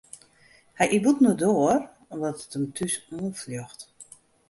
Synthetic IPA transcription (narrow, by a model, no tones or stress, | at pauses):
hɛjʔibutnodoər | ʋɔtətəmtʰysuːnfljɔxt